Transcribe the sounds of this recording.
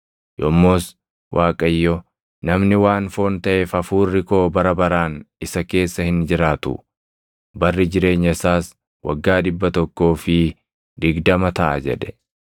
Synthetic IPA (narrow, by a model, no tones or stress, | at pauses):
jɔmːoːs | wʔaːkʼɐjːɔ | nɐmnɪwaːnfo̞ːnt̪ɐʔeːfɐfuːrːɪko̞ːbɐɾɐbɐɾaːnɪsɐke̞ːsːɐhɪnd͡ʒɪɾaːt̪ʊ̰ | bɐrːɪd͡ʒɪɾe̞ːɲːɐsaːs | wɐ̰ɡːaːᶑɪbːɐt̪ɔkːo̞ːfɪ | d̪ɪɡd̪ɐmɐt̪ɐʔɐ̰d͡ʒɛ̰ᶑɛ̥